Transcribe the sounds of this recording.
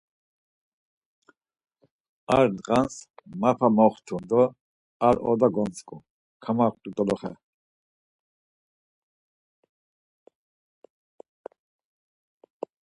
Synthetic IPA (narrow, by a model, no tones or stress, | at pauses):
aɾd̪qʼansmapʰamɔχt̪ʰund̪ɔ | aɾɔ̰d̪aɡɔnt͡skʼu | kʰamaχt̪ʼut̪ʼɔlɔχɛ̰